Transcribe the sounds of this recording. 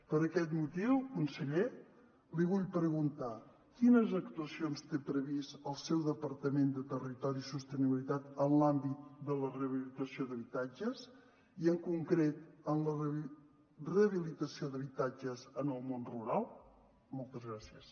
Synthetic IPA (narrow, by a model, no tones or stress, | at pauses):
pəɾəkɛt̪mut̪iwlkunsəʎe | liβuʎpəɾəɣunt̪a | kinəzək̚t̪uəsionst̪epɾəβisəlˠsɛwðəpəɾt̪əmend̪ət̪ərit̪ɔɾisust̪əniβilit̪at̪ənlambit̪̚d̪ələreəβilit̪əsioðəβit̪ad͡ʒəz | iəŋkuŋkɾet̪ənlə | reəβilit̪əsioðəβit̪ad͡ʒəzənəlˠmonruɾalˠ | molˠt̪əzɣɾasiəs